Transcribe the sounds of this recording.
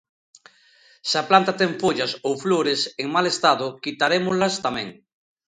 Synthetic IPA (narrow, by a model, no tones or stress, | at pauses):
saplant̪at̪eɱfoʎasowfloɾeseŋmalest̪aðokit̪aɾemozlast̪amẽŋ